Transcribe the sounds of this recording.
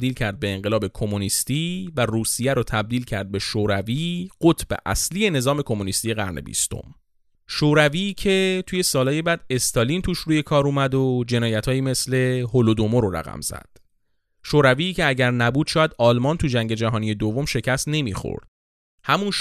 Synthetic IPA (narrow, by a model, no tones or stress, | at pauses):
d̪iːlcʰæɾd̪̚be̞ːŋɢelɒːbe̞kʰo̞monist̪iːværuːsijæɾot̪ʰæb̚d̪iːlcʰæɾd̪̚be̞ʃoːɾæviːɢot̪ʰbḛʔæ̰sliːje̞ne̞zɒːme̞kʰo̞munist̪ije̞ɣæ̰ɾne̞̰bḭst̪o̰m | ʃoːɾæviːcʰe̞t̪ʰuːje̞sɒːlɒːjebæːd̪e̞st̪ʰɒlint̪ʰuːʃɾuːje̞kʰɒːɾuːmæd̪od͡ʒe̞nɒːjæt̪ʰhɒːjiːme̞sle̞holod̪omoɾoɾæ̰ɣæ̰mz̥æ̰d̪̥ | ʃoːɾæviːcʰeæɟæɾnæbuːd̪̥ʃɒːjæd̪ɒːlmɒːnt̪ʰud͡ʒæŋɟe̞d͡ʒæɦɒːnije̞d̪ovːomʃe̞cʰæst̪ne̞mḭxo̰ɾd̪̥ | hæmunʃ